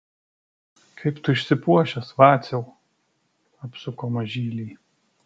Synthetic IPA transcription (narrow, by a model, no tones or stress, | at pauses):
kʰɐɪpt̪ʊɪʃʲsʲɪpuɔʃʲɛsʋɑːt̪sʲɛʊ | ɐpsʊkoːmɐʒʲiːlʲiː